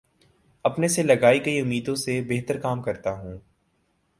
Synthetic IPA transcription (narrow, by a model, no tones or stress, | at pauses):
ɐpneselɐɡaːikɐiʊmːiːd̪õsebeɦt̪əɾkaːmkɐɾt̪aɦũː